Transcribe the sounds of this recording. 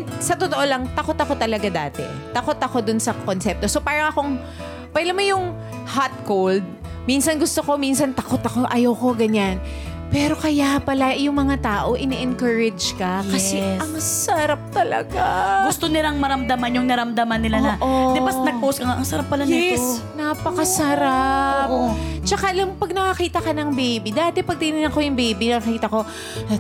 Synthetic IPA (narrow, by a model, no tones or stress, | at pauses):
sɐt̪ot̪oʔo̞lɐŋt̪ɐkot̪ɐko̞t̪ɐlɐɡad̪aːt̪ɛ̰ | t̪ɐko̞t̪ɐko̞d̪ʊnsɐkonsɛp̚t̪o̞sopaːɾɐŋʔɐko̞ŋ | pɛlɐmojʊŋ | hat̪̚kowld̪̚ | minsɐnɡʊst̪oko̞minsɐnt̪ɐkot̪ɐko̞ʔɐjawko̞ɡɐɲan | pɛːɾo̞kɐjapɐlajʊŋmɐŋat̪aːʔo̞ʔɪnɛʔɛŋkɐɹɛd͡ʒkɐkɐsɛɐŋsɐɾap̚t̪ɐlɐ̰ɡaɡʊst̪onɪlaŋmɐɾɐmd̪ɐmanjʊŋnɐɾɐmd̪ɐmanːɪlanɐʔod̪ɪɐsnɐɡ̚powskɐŋaʔɐŋsɐɾapːɐlanjɛnapɐkɐsɐɾapt͡ʃɐkalɐmpɐɡ̚nɐkɐkiːt̪ɐkɐnɐŋbibid̪aːt̪ɛpɐɡ̚t̪inɪnɐŋko̞jʊŋbiːbinɐkɐkiːt̪ɐko̞